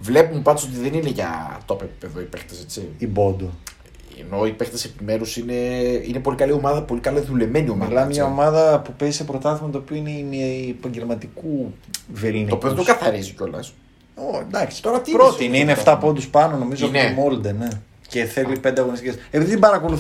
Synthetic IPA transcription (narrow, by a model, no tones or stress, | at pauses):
vle̞pumepɐnd̪osot̪iðenineʝɐ̰t̪opepi̥peðoipext̪eset͡siibo̞d̪o | ḛno̞ipext̪ese̞pime̞ɾusine̞inepo̞likɐlio̞mɐðɐpo̞likɐlɐðule̞meniomɐmilɐmeʝɐomɐðɐpupezisepɾot̪ɐθimɐt̪oːpioineimepɐɲɟelmɐt̪ikuvelniopiðot̪okɐθɐɾizioco̞lɐ̰s | oend̪ɐksi̥t̪oɾɐt̪ipɾot̪inineft̪ɐpo̞d̪uspɐnono̞mizofmold̪ene | ceθelipe̞nd̪eɐɣo̞nist̪icesepiðiðebɐɾɐko̞luθ